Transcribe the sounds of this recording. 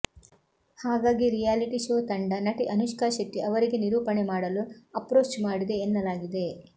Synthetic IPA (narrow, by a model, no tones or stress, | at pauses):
haːɡaːɡiɾijaːliʈiʃoːt̪ɐɳɖɐnɐʈiʔɐnuʃkaːʃɐʈ̪ːiʔɐʋɐɾiɡe̞niɾuːpɐnemaːɽɐluɐpɾoːt͡ʃmaːɽid̪e̞ːnːɐlaːɡid̪e̞